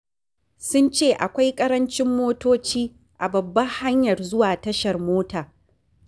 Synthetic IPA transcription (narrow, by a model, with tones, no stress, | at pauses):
sʊ˦nt͡ʃeː˦˨ʔa˨kʷa˦jkʼɐ˦ɾɐ˦nt͡ʃɪ˦mːoː˦toː˦t͡ʃiː˦ | ʔa˨bɐ˨bːɐ˦ŋha˦ɲjɐ˨rzʊ˦waː˨tɐ˦ʃɐ˨rmoː˦taː˨